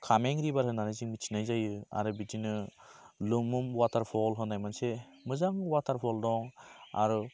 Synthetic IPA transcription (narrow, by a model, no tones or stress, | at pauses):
kʰameŋɾibaɾɦɯnanɯjziŋmit͡ʃʰi̥najzajɯa̰ɾɯbitinɯ | lɯmumwatʰaɾpʰɔlɦɯnajmanse | mɯzaŋwatʰaɾpʰɔldɔŋa̰ɾɯ